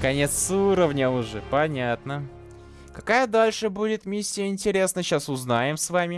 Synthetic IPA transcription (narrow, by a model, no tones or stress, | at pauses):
kɐnʲe̞t̪suɾəvnʲəʊʐɛpɐnʲat̪nə | kɐkajəd̪alʲʂɨbudʲɪt̪mʲisʲːɪjəɪnʲtʲɪɾʲe̞snəɕasʊznajɪmsvamʲɪ